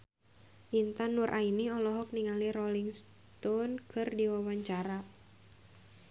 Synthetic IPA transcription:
ʔint̪anuɾʔainiɔlɔɦɔk̚niŋaliɾɔliŋs | t̪ɔnkʰɨrdiwawaɲt͡ʃaɾa

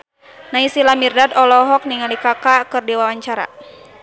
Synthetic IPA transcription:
naisilamirdadɔlɔɦɔk̚niŋalikakakɨrdiwawaɲt͡ʃaɾa̰

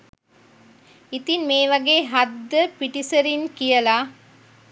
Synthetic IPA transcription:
it̪inmeːʋɐɡeːɦɐd̪ːəpiʈisɐɾinkijɐlaː

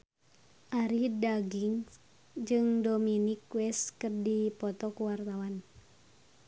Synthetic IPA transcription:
ʔaɾidaɡiŋ | d͡ʒɨŋdominikwɛskɨrdipɔt̪ɔkuwart̪awan

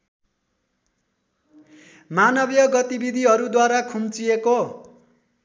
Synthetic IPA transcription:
manʌbjʌɡʌt̪ibid̪ʱiɦʌɾud̪waɾakʰumt͡sijeko

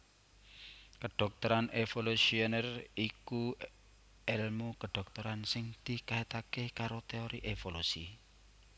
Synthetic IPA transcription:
kəɖ̥ɔ̤k̚t̪əɾanefolusionəriku | ɛlmukəɖ̥ɔ̤k̚t̪oɾansɪŋd̪̥i̤kaɦet̪akekaɾot̪eoɾiʔefolusḭ

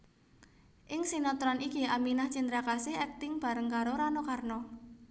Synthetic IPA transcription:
ʔɪŋsinɔt̪ɾɔnikiaminaht͡ʃind̪ɾakasɪhɛk̚t̪ɪŋb̥a̤ɾəŋkaɾoɾanokarnɔ

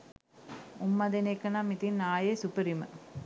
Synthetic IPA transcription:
ʊmːɐd̪enekːɐnɐmit̪inaːjesupɐɾimɐ̰

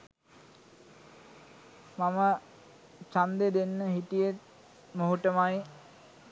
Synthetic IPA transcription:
mamə | t͡ʃand̪ed̪enːəɦitijet̪̚ | moɦuʈəmaj

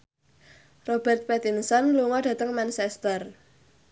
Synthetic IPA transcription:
rob̥ɛ̤rt̪̚pɛt̪iŋsɔnluŋɔɖ̥ä̤t̪əŋmansɛst̪ər

